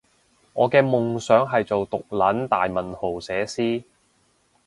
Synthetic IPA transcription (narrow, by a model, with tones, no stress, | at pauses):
ŋɔː˨˧kɛː˧mʊ˨ŋsœː˨˥ŋɦɐ˨jt͡so˨wt̪ʊ˨k̚lɐ˨˥nt̪aː˨jmɐ˨˩nho˨˩wsɛː˨˥siː˥